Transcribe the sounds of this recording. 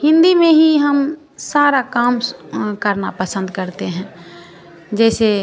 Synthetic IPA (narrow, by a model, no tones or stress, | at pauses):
hɪ̃nd̪imẽɦiɦəm | saːɾakaːmkəɾna̰pəsə̃nd̪kəɾt̪eɦɛ̃ː | d͡ʒɛːse